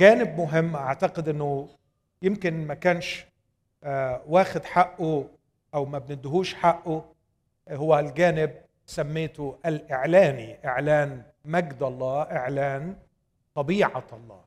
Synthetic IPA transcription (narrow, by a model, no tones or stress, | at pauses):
ɡaːnɪbmʊɦɪmːʔaʕt̪aqɪd̪ʔɪnːʊ | jɪmkɪnmakaːnʃ | waːxɪd̪ħaʔːʊ | ʔawmabnɪd̪ɦuːʃħaʔːʊ | hʊwːalɡaːnɪb̚ | samːeːt̪ʊʔalʔɪʕlaːniʔɪʕlaːn | maɡd̪ɑlˤːɑːʔɪʕlaːn | t̪ˤɑbiːʕa̰ɑlˤːɑ̰ː